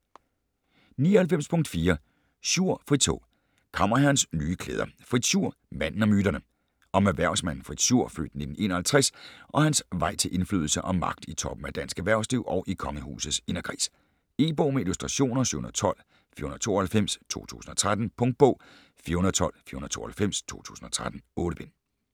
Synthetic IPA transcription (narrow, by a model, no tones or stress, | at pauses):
niːɒhælfem̰spʰɔ̽ŋ̰d̥fiːɐ | suɐ̰fʁi̥t͡sʰo̝̰ː | kʰɑ̈mɐɦæɐnsnyːkʰlḛːð̞ˠɐfʁid̥suɐ̰ | mæn̰n̩ɒ̽myːd̥ɐnə | ɒ̽mæʋæɐ̰ʊsmæn̰n̩fʁid̥ɕuɐ̰fø̰ːd̥ne̝d̥n̩e̝̰ːnɐhælt͡sʰʁɛsʔɒ̽hænsʋɑ̈ɪ̰t͡sʰe̝lʔe̝nfly̰ðˠl̩səʔɒ̽mːɑ̈ɡ̥̚d̥it͡sʰɒ̽b̥m̩æd̥æn̰sɡ̥æʋæɐʊsd̥iʊʔɒ̽ʊʔikʰɒ̽ŋəhṵːsð̩ˠse̝nɐɡ̥ʰʁḭːs | e̝ːb̥ɔːmeilusd̥ʁɑ̈ɕo̝̰ːnɐsy̰hunð̰̩ˠt͡sʰɒ̽l̰ | fḭɐhunðˠt͡sʰo̝̰ːɐhælfem̰st͡sʰo̝̰ːt͡sʰṵːsn̩ɒ̽t͡sʰʁad̥n̩pʰɔ̽ŋd̥̚b̥ɔ̰̽ː | fiɐhunðˠt͡sʰɒ̽l̰fiɐhunð̩ˠt͡sʰo̝̰ːɐhælfem̰st͡sʰo̝̰ːt͡sʰṵːsn̩ɒ̽t͡sʰʁad̥n̩ɔːɾəb̥en